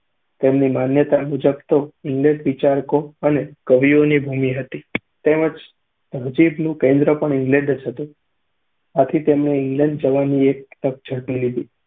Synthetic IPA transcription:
t̪emnimanjət̪amud͡ʒəbt̪oɪŋɡleɖʋit͡ʃaɾkoənekəʋionibʱumiɦət̪i | t̪eməd͡ʒ | d̪̥əd͡ʒibnũkẽnd̪ɾəpəɳɪŋɡlɛ̃ɳɖəd͡ʒɦət̪ũ | at̪ʰit̪emɳeɪŋɡlɛ̃ɳɖd͡ʒəʋaniek̚t̪ək̚d͡ʒʱəɽpilid̪i

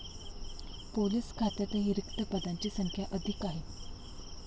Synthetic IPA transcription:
poliskʰat̪ət̪əɦiːɾikt̪əpəd̪aɲt͡ɕiːsəŋkʰjaʔəd̪ʱikaɦe

